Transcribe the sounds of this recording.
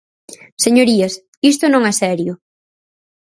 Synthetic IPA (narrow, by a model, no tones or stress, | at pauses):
seɲoɾiɐs | ist̪ʊnõŋɛsɛɾjʊ